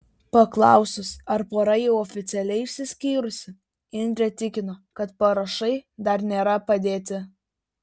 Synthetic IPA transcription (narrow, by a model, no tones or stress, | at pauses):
pɐklˠɑˑʊsʲʊsɐɾpoːɾɐjɛʊɔfʲɪt̪sʲɛlʲɛɪɪʃʲsʲɪsʲkʲiːɾʊsʲɪ | ɪnʲd̪ʲɾʲɛt̪ʲɪkʲɪnokɐt̪pɐɾɐʃɐɪd̪ɐɾnʲeːɾɐpɐd̪ʲeːt̪ʲɪ